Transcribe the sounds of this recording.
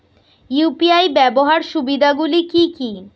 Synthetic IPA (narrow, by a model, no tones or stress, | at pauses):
jupiajbɛboɦaɾʃubid̪ʱaɡulikiki